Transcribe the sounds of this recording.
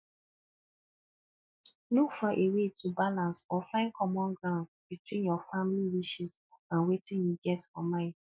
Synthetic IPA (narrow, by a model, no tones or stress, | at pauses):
lukfɔʔewetʰubalãnsɔfãɪ̃nkʰɔmɔ̃nɡɹãʊ̃nd | b̥itwĩnjɔfãmiliwiʃis | ãnwetʰĩnjuɡɛtɔmãɪ̃d